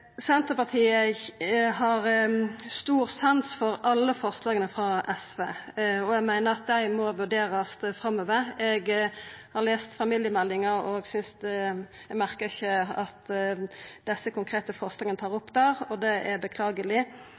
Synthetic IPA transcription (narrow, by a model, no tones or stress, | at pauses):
sɛnt̪əpɑʁt̪ʰiːə | ɦɑʁst̪uːʁsɑnsfɔɾɑlːəfɔʁslɑːɡənəfʁɑʔɛsʋeːɔɛɡmæɪnəʁɑt̪̚d̪æɪmɔʋʉɖeːɾəst̪fʁɑmːøːʋəɛɡhɑʁleːst̪fɑmiːljəmɛlːɪŋəɾɔɡsʏns | ɛɡmæʁkəʁɪçəɑt̪ | d̪ɛsəkʊŋkʰʁeːt̪əfɔʁslɑːɡənt̪ʰɑːʁʊpːd̪æːʁɔd̪ɛʔɛbəkʰlɑːɡəlɪ